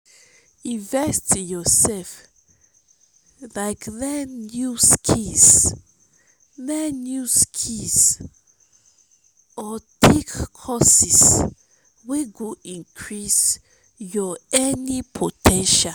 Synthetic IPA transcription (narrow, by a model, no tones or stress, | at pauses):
ĩnvɛstjɔsɛlf | laɪkðɛnjuskʰis | ðɛnjuskʰis | ɔtʰekʰɔsis | weɡuĩnkʰɹis | jɔɛnipʰotʰɛ̃nʃa